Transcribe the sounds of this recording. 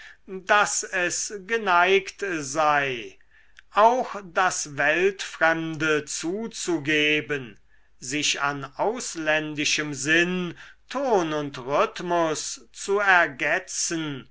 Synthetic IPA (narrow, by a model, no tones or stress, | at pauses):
dasɛsɡənaɪktzaɪ | ʔaʊxd̥asvɛltfʁ̥ɛmdət͡suːt͡suɡeːbən | zɪʃanaʊslɛndɪʃəmzɪntʰoːnʊntʁʏtmʊst͡suɛɐɡɛt͡sən